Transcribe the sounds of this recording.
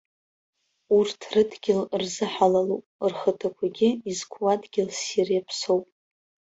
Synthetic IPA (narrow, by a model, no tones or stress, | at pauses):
urtʰrɨdɡʲɪlrzɨħalalupʼrχətʰakʷʰaɡʲɪizkʷʰwadɡʲɪlsirjapʰsowpʼ